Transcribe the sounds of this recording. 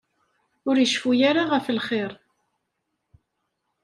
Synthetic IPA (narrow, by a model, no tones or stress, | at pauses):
ʊɾjəʃfujaɾaʁəflχeɾ